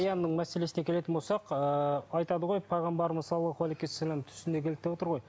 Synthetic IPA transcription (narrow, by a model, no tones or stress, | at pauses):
jɑnːəɴmæse̞lesɪne̞kʲe̞le̞ɪnbo̞lˠsɑqəɑjt̪ɑd̪əʁo̞jpʰɑjʁɑmbɑɾməɑlˠəχo̞lˠikʲesælʲæmt̪ʰʏ̥sɪnd̪ekʰʲe̞lɪt̪ːe̞wot̪əɾʁo̞j